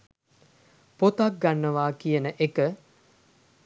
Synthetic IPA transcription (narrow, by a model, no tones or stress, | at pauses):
pot̪ak̚ɡanːəʋaːkijənəʔekə